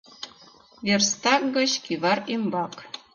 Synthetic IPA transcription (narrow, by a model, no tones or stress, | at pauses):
βerst̪ɑk̚ɡɤ̆t͡ɕkiβɑrimbɑk